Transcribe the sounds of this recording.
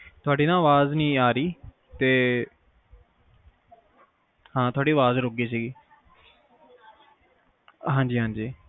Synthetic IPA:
t̪ʊaːɖiːnãːʋaːznĩːaːɾiː | t̪eː | hãːt̪ʊaːɖiːʋaːzɾoɡiːsiːɡiː | ɦãːnd͡ʒiːɦãːɲd͡ʒiː

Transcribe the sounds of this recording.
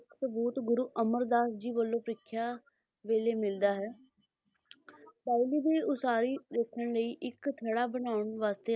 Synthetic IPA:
ɪksəbuːt̪ɡʊɾuːʔəməɾd̪aːsd͡ʒiːʋəlːõːpɾɪkʰːjaː | ʋeːleːmɪld̪aːɦɛː | paːɪliːd̪iːʊsaːɾiːd̪eːkʰəɳləiːʔɪkt̪ʰəɽaːbənaːʊɳʋaːst̪eː

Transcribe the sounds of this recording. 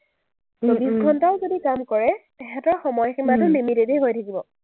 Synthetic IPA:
sobisɡʱɔntaʊzodikamkɔɹɛ | ɛxɛtɔɹxɔmɔjximantʊnimitetejɦojtʰakibɔ

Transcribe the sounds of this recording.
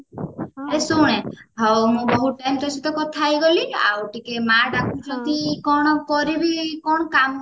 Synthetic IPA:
esuɽ̃ẽ | ɦɔwmũbɔɦuʈajmt̪ɔsit̪ɔkɔt̪ʰaːjɡɔlia̰wʈikemaɖakʰũt͡ʃʰɔnt̪ikɔɽ̃ɔkɔɾibʱikɔɽ̃ɔkam

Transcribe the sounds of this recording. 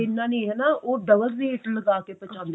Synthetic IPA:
ɪnːaːnĩːɦɛnaoːd̪əʋəlɾeːʈləɡaːkepət͡ʃan

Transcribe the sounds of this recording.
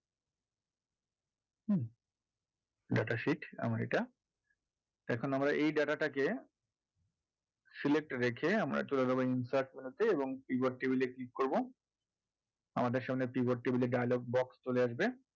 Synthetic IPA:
ɖaʈaʃiʈa̰maɾḛʈa | ɛkʰonamɾaʔejɖaʈaʈake | silek̚ʈɾekʰeamɾa̰t͡ɕoled͡ʑaboinsaɾʈ̚milut̪eeboŋpibaɾʈebileklik̚koɾbo | amad̪eɾʃamnepiboʈ̚ʈebileɖajaloɡ̚bɔkst͡ɕoleaʃbe

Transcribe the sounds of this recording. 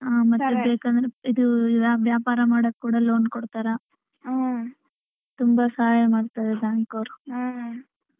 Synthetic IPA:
aːmɐt̪ːubeːkɐnd̪ɐɾeid̪uʋjaːʋjaːpaːɾɐmaːɽokːuːɽɐloːnkɔɽt̪aːɾɐ | t̪umbɐsɐɦaːjɐmaːɽt̪aːd̪ɛd̪aːŋkoːɾu

